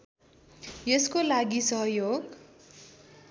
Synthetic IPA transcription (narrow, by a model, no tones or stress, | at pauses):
jeskolaɡisʌɦʌjoɡ